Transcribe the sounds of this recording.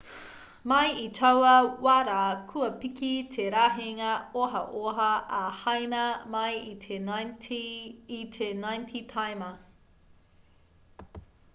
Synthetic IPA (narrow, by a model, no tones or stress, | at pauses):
mɐjitʰɐwɐwaɾaːkʰuɐpikitʰeɾaːɦeŋɐoɦɐ̰ʔoɦɐʔɐhɐjnɐmɐjie | itʰenajntʰitʰajmɐ